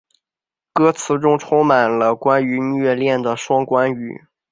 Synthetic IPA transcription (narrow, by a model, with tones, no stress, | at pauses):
kɤ˥t͡sʰɹ̩˧˥ʈ͡ʂʊ˥ŋʈ͡ʂʰʊ˥ŋma˨˩nlə˦kwa˥ny˧˥˧ɥɛ˥˧ljɛ˥˩nd̪ə˩ʂwɑ˥ŋkwa˥ny̰˨˩˦